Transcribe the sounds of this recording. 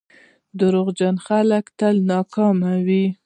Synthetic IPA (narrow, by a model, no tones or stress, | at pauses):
d̪əɾoɣd͡ʒanxaləkt̪əlnɑkɑmawi